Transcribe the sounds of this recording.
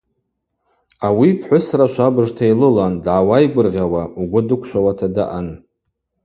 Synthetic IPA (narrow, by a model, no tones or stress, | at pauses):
awipʰħʷʊsraʃʷabɨʐtʰajlɨlandʕawajɡʷʊrʁʲawauɡʷʊdɨkʷʰʃʷawatʰadaʔan